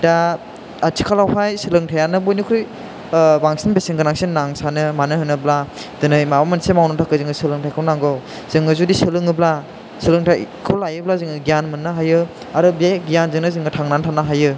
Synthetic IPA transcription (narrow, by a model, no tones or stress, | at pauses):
daː | tʰi̥kʰalawɦajsɯlɯŋtʰajanɯbojnikʰɾɯj | baŋsinbeseŋɡɯnaŋsinːaŋsanɯmanɯhɯnɯbladɯnɯjmabamansemawnɯtʰakɯzɯŋɯsɯlɯŋtʰajkʰɔwnaŋɡɔw | z̥ɯŋɯzudisɯlɯŋɯbla | sɯlɯŋtʰa̰jkʰɔlajɯblazɯŋɯɡijanmɯnːɯɦajɯ | aɾɯbijaɡijanzɯŋnɯzɯŋɯtʰaŋnantʰanaɦajɯ